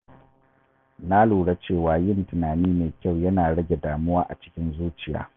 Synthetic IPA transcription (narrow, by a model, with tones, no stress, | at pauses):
na˦luː˨ɽa˦t͡ʃeː˦˨waː˨jɪ˦ntʊ˨naː˨niː˦meː˨kʲa˦˨wjɐ˦naː˨ɽɐ˦ɡʲe˨daː˨mʊ˦waː˦ʔa̰˨t͡ʃɪ̥˦kʲɪ˦nzuː˦t͡ʃɪ˨ja̰ː˨˦